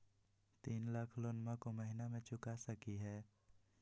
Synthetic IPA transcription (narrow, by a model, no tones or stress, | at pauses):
t̪iːnlaːkʰlonmãkoməɦɪnamẽt͡ʃʊkasəkiɦɛː